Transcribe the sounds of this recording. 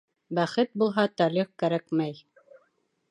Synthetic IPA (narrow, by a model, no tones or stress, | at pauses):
bæχɘt̪̚bulˠɦɑt̪æliq̚kæɾækmæj